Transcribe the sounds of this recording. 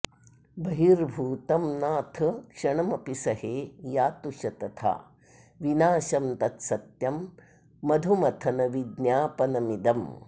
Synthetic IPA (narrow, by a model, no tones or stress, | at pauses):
bɐɦiɾbʱuːt̪ɐmnaːt̪ʰɐkʂɐɳɐmɐpisɐɦeːjaːt̪uʃɐt̪ɐt̪ʰa̰ː | ʋinaːʃɐmt̪ɐt̪sɐt̪jɐmː | ɐd̪ʱumɐt̪ʰɐnɐʋid̪nʲjaːpɐnɐmid̪ɐm